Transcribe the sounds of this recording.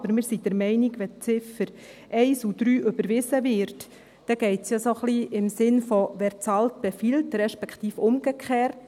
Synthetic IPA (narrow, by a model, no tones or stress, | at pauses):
bəɾmɪːɾsid̥əɾmɛɪnɪɡʋɛt͡sɪfəɾ | ʔɛɪsud̥ɾyːʔʏbəɾʋɪzəvɪɾt | d̥ɛɡ̥ɛɪtsjɑsoχliɪmsɪnfɔʋɛːɾt͡sɑlt̚b̥efiːltɾɛʃpɛkχtiːfʊmɡəkʰχɛːɾt